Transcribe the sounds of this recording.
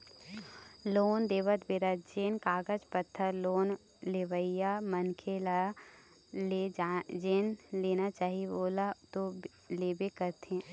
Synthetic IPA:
loːnd̪eːʋət̪ʰbɪɾət̪̚d͡ʒeːnkaːɡəd͡ʒpət̪ʰːəɾloːn | leʋəɪjamənkʰela | led͡ʒeːnleːnat͡ʃaːɦiboːlat̪o | leːbekəɾt̪ɛ̃ː

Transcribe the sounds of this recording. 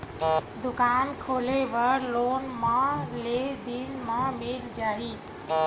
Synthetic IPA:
d̪ukankʰoleʋəɾlonmãled̪inmãmeld͡ʒaɦi

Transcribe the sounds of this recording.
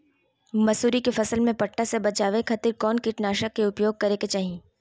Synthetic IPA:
mɐsuːɾikefɐsəlmẽpɐʈːasebɐt͡ʃaːʋekʰɐt̪ɪɾkɔːnkɪʈnaːʃəkːeʊpjoːɡ̚kɐɾeːket͡ʃaːɦieː

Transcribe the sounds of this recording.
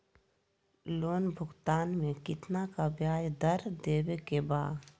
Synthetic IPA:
loːnbʱʊɡt̪aːnmẽkɪt̪nakabjaːjd̪əɾd̪eːwekebaːd̪

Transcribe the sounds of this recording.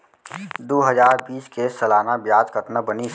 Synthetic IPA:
d̪oːɦəzaːɾbiːskeːsəlaːnabjaːd͡ʒkət̪nəbəni

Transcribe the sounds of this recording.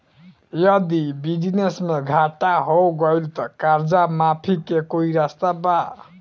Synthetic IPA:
jʌd̪ibid͡zinesmeɡʱaʈaɦoɡʌjlt̪ʌkaɾd͡zamapʰikekoiɾast̪aba

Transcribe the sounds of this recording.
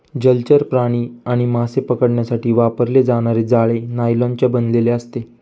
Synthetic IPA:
d͡ʑəlt͡ɕəɾpɾaɽ̃iːaɽ̃imasepəkəɽɳjasaʈiːʋapəɾled͡zaɽ̃aɾed͡zaɭenajlãnt͡ɕabənleleəst̪e

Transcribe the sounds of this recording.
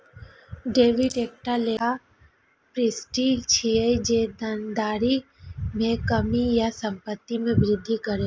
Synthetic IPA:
ɖeːʋɪʈeːk̚ʈale | pɾɪsʈit͡ʃʰied͡ʒed̪ənd̪aːɾi | mẽkəmijasəmpət̪ːimẽʋɾɪd̪ʱːikəɾe

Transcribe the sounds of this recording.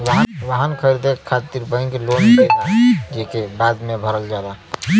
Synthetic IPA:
ʋəɦʋaɦankʰəɾd̪ekʰːat̪iɾbə̃ɪ̃ŋklonbet̪ad͡ʒekebad̪mebʱəɾəld͡ʒad̪a

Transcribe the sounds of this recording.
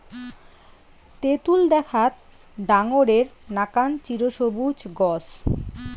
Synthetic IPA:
t̪et̪uld̪ɛkʰat̪̚ | ɖaŋoɾeɾnakant͡ɕiɾoʃobud͡ʑɡɔs

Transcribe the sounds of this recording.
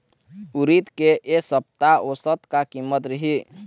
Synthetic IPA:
ʊɾit̪keʔesəp̚t̪aosət̪kakimːət̪ɾəɦi

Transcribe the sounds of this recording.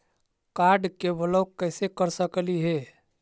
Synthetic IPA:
kaɾɖkebələkəːsekəɾsəkliɦe

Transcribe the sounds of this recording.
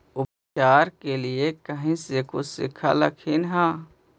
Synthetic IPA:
ʊp | t͡ʃaːɾkeliekəɦĩsekosɪ̰kʰa̰lɐkʰɪnɦaː

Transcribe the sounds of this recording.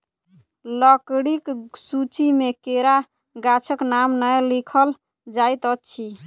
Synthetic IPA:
ləkɽiksut͡ʃimekeɾa | ɡat͡ʃʰəknamnəjlikʰəl | d͡ʒajt̪ətːt͡ʃʰi

